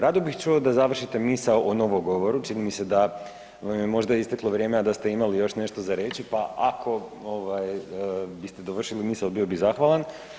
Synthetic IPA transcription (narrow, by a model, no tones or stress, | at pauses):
ɾad̪obixt͡ʃuod̪azaʋr̩ʃit̪e̞misaoʔono̞ʋoɡo̞ʋo̞ɾut͡ʃinimise̞d̪a | ʋamjemo̞ʒd̪aist̪eklˠo̞ʋɾje̞ːmead̪ast̪e̞imalijo̞ʃne̞ʃt̪o̞zaɾe̞t͡ɕipaakʰo̞oʋajbist̪ed̪oʋr̩ʃilimiːsalbio̞bizaxʋalˠan